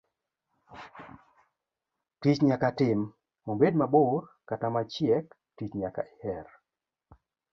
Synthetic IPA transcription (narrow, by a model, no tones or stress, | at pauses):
tit͡ʃɲakatɪm | mombedmabʊrkatamat͡ʃjɛk | tit͡ʃɲaka̰ihɛr